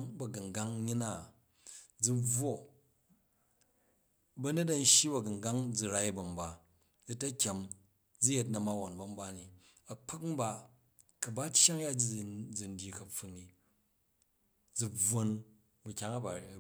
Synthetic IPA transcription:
ŋbɐ˨ɡɐ˨ŋ˨ɡa˦ŋɲi˦na˦˨ | d͡zu˦n˦b͡vwo˦ | bɐ˦ne˦t̬ɐ˨n̩˦ʃji˦bɐ˨ɡɐ˨ŋɡa˦ŋd͡zu˨ɾa˦i˦bɐ˨mba˨ | d͡ztɐ˦kʲa˨m | d͡zu˦je˦tnɐ˨ma˦wa˨nbɐ˨m̩˦ba˦ni˨ | ɐ˨k͡pʰa˦km̩˦ba˨ | kɐ˨ba˦tʲja˦ŋja˦d͡zi˦˨d͡zi˨n̩˦dʲji˨kɐ˨ɸu˨nːi˨ | d͡zu˨b͡vo˦n | bu˨kʲa˦ŋɐ˦ba˨

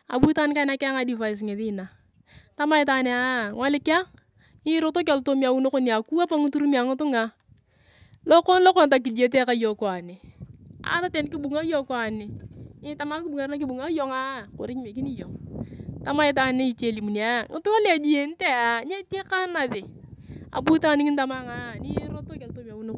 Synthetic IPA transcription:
a̰˨bu˦ta˦n˦ka˦ɪ˦na˦ka˦ŋa˨˦di˨fa˨ɪ˨s̬ŋe˨ðɪ˦na˨ | ta˦ma˦ɪ˦ta˨ne˨a˦˨ŋwa˦lɪ˦ka˦ŋ | ɪ˦ɾo˦to˦k̬a˨lto˦mi˦a˨wu˦no˦ko˦ni˦a˨ku˦a˦pa˦ŋi˦tu˦ɾu˦mi˦a˨ŋɪ˦tʊ˦ŋa˨ | lo˦ko˦nlo˦ko˦˨nt̬a˨k̬i˨di˦e˦t̬e˦ka˨˦jo˨ko˨a˨nɪ˨a̰˨˦ta˦te˨n˦kɪ˦bu˨ŋa˦jo˦kɔ˨a˨nɪ˨nɪ˦ta˨ma˦kɪ˦bu˨ŋa˨ɾna˦kɪ˦bu˨ŋa˦jɔ˨ŋa˦ko̰˨ɾɪ˦kme˨k̬i˦ni˦jo˨ŋta˦ma˦ɪ˦t̬a˨ne˦i˨t͡ʃe˦˨li˨mu˨n˨a˦ŋɪ̰˦tʊ˦ŋa˦la˨d͡ʒi˦je˨n˦te˦a˨ɲa˦te˦ka˦na˨ðɪ˨a̰˨bu˦ta˦˨nɪ˦ŋɪ˦nta˨ma˦ŋa˦ni˦ɾo˦to˦ka˨lto˦mi˨a˨wu˦no˦k

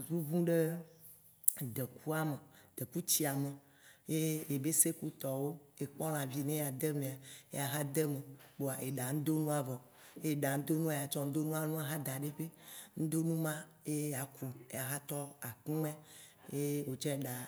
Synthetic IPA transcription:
zu˦vũ˦ɖe˦ | d̪e˨ku˦a˦me˨d̪̥e˨ku˦t͡ɕi˦a˨me˨ | je˦e˨be˦se˦ku˦t̪ɔ˨wo˦e˨k͡pɔ̃˦l̃ã˨vi˦nẽ˦˨a˨d̪e˦mẽ˨a˨ḛ˦a˨ɦa˦d̪e˦me˨bo˨a˨ʔe˨ɖa˨ŋ̩̃˦d̪o˦nũ˦a˨vɔ˨ | e˦e˨ɖa˨ŋ̩̃˦d̪o˦nũ˦a˨ja˨t͡ʃɔ˦ŋ̩˦d̪o˦nũ˦a˦nũ˦a˨ɦa˦d̪a˨ɖe˦ɸe˦ŋ̩˦d̪o˦nũ˦mã˦ | e˦ja˨ku˨ḛ˦ja˨ɦa˦t̪ɔ˦a˨kĩ˦mɛ̃˦je˦wo˨t͡ʃɛ˦˨ɖa˨

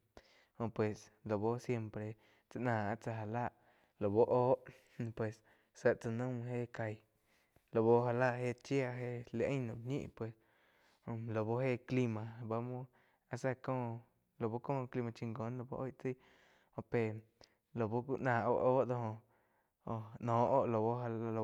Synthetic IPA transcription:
hõ˧pwe˨slo˨bo˦sje˧mpɾe˧˨ | t͡sa˧ʔnãː˨a˦ʔt͡sa˧ɦa˧la˦˨ʔ | lo˨bo˦ʔoː˦ʔ | pwe˨s | sə˧˨ʔt͡sa˧nə̃˦m˧ɦe˦˨ka˧j | lo˨bo˧ɦa˧la˦˧˨ɦe˦˧˨t͡ʃja˧ɦe˦ʔle˧˨ʔə̃˦nõ˨bɲḭ̃˦ʔpwe˨s | lo˨bo˦ɦe˦˨kli˧mã˧ba˧mũ˦ | a˧sa˦kõː˦˨ | lo˨bo˦kõː˦˨˧kli˧mã˧t͡ʃi˧ŋɡõ˨˦nlo˧bo̰˦ʔo˦jt͡si˦ | o˧pe˧˨ | lo˨bo˦ku˦ʔnãː˨ʔo̰˦ʔoː˦ʔd̪o˧hõ˧ | o˧˨˧nõː˨ʔo˦˨ʔlo˨bo˦ɦa˧o˧˨

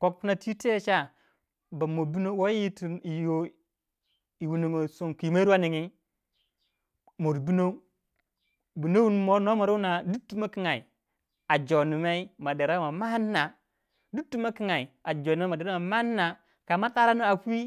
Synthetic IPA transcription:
ko˦k̚pu˦na˦ti˦te˦˨t͡ʃa˦ | ba˨mo˨bi˦no˦wo˦i˦ti˨i˨jo˦˨ | i˨wu˨ni˨ŋo˨so˨nki˨ma˦ɾu˦a˦ni˨ŋi˦ | mo˨ɾbi˦no˦ | bi˨no˦wu˦n˨mo˦no˦ma˨ɾo˦na˨du˦tːu˦ma˦ki˦ŋa˨i˨ | a˨d͡ʒo˨ni˨me˦i˦ma˨de˨ɾa˦ma˨ma˦nːa˨ | du˦tːu˦ma˦ki˦ŋa˨i˨a˨d͡ʒo˨ni˨me˦ma˨de˨ɾa˦ma˨ma˦nːa˨ | ka˨ma˦ta˦ɾa˦no˦a˨ki˦

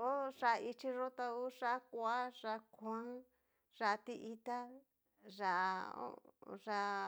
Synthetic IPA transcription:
o˦ʐa˧i˧t͡ʃi˧ʐo˦t̪a˧u˦ʂa˦kʷa˦ʐa˧kʰã˦ | ʐa˧t̪i˧ʔi˧t̪a˦ | ʐa˧ʔo̰˦ʐa˧

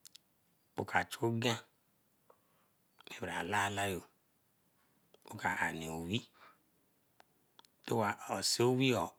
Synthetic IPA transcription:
o˨kʰa˨t͡ʃo˦ɡã˦ | ne˨ba˨la˦˨la˦jo˨ | o˦ka˨a˨ne˨o˨wi˦ | to˦wa˨ɔ˨se˦o˦wi˦ɔ˨

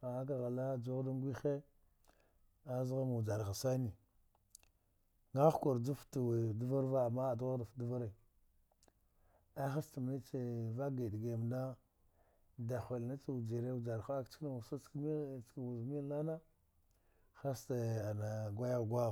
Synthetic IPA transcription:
a˨a˦k̬a˨ɣa˨la˦d͡ʒo˦ɣda˦ŋ˦ɡʷi˦xe˦ | a˦zɣa˦ma˨u˨d͡ʒa˨ɾɣa˨sa˦ni˨ | ŋɡa˦xka˨ɾd͡zu˦ftu˨we˨du˦va˦ɾva˦a˨ma˦˨du˦ɣa˦da˨fdu˦va˦ɾa˨ | a˦xa˦sta˨m˦e˦t͡ʃe˨va˦ɡa˨dɡe˨m˨na˦ | da˨xʷa˨lna˦t͡sa˦u˨d͡ʒi˨ɾe˦u˦d͡ʒa˨ɾxa˦kt͡ʃkna˨wu˨sa˦t͡skmi˦˨t͡ʃkwu˨zmi˦la˦na˦ | xa˦sta˨a˨na˨ɡʷa˦ja˦˨ɡʷa˦

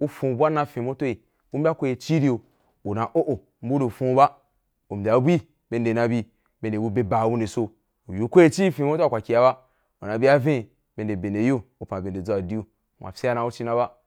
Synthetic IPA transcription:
u˦fũ˨bʷa˦na˧fẽ˨mo˦to˦i˨ | u˦m̩˦bʲa˦kʷo˦je˧t͡ʃi˦ɾi˦o˨ | u˨na˨ʔo˦ʔo˨ | m̩˦bu˦no˨fũ˦ba˦ | u˨m̩˨bʲa˨˦bʷi˦ | be˧nde˨na˧bi˧ | be˨n˨de˨wu˦be˧ba˨wu˦ne˨so˦˧ | u˨ju˨kʷo˦e˦t͡ʃi˦fĩ˨mo˦to˦a˨kʷa˨kʲi˨ja˧ba˦ | u˨na˨bi˦a˦vẽ˦˨ | be˧nde˨be˨nde˨jo˦u˨pã˨be˨nde˨d͡za˨di˦u˦˨ | mʷ˨a̰˨fʲe˦a˦na˧u˦t͡ʃi˦na˧ba˦

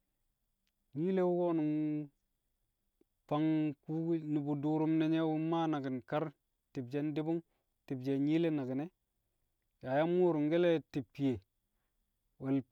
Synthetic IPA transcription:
ɲi˦le˦wu˦ko˦nu˨ŋ | pa˦ŋku˦ni˨bu˨du˨ɾu˦mne˨ɲe˦wu˦ma˦na˨ɡi˨nka˦ɾ | ti˨bd͡ʒe˦ndi˦bu˦ŋ | ti˨bd͡ʒe˨ɲi˦le˦na˨ɡi˨ne˦ | ja˨ja˦mu˦ɾu˨ŋɡe˦le˦ti˨pːi˨je˨ | we˨l

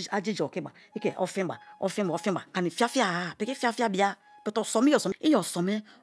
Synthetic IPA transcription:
a˦d͡ʒi˦d͡ʒo˨ki˦ɡ͡ba̰˨ | i˦ke˨ʔɔ̰˨˦fĩ˦ɡ͡ba̰˨ɔ̰˨˦fi˦˨˦fi˦ɡ͡ba˨ka˨ni˨fi˦a˦fi˦a˦˨˦pe˨˦ki˦fi˦a˦fi˦a˦bi˨˦a˦ | pe˨to˨sɔ˨mi˦ɔ˨sɔ˨m˦i˦jɔ˨sɔ˨me˦

